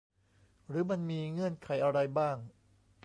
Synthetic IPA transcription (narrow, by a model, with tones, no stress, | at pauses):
ɾɯː˩˦˥ma˧nmiː˧ŋɯ˧˥˩ənkʰa˩˦jʔa˧ɾa˧jbaː˥˩ŋ